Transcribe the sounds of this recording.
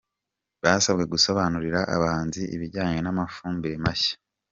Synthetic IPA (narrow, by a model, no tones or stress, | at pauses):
βaːsabɡe̞ɡuso̞βanuɾiɾaʔa̰βaaaːnziʔḭβiɾɟaːɲe̞namafuːmbiɾemaçḁ